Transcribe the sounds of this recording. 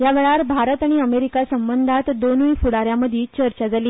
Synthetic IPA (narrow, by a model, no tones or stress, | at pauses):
jaʋeɭaɾbʱaɾət̪aɽ̃iəmeɾikasəmbənd̪ʱat̪d̪onʋifuɽaɾjaməd̪ʱiːt͡ɕəɾt͡ɕad͡zaliː